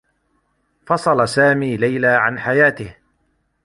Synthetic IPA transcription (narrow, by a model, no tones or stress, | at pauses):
fɑsˤɑlasaːmiːlajlaːʕanħajaːt̪ɪh